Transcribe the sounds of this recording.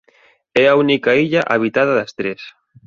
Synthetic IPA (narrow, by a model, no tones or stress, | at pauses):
ɛaunikaiʎaʔaβ̞it̪aðɐðɐst̪ɾes